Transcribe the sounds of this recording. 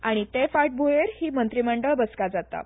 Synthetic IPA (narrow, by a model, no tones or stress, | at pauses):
aɽ̃it̪efaʈ̚bʱujeɾhiːmənt̪ɾiməɳɖəɭbəskad͡zat̪a̰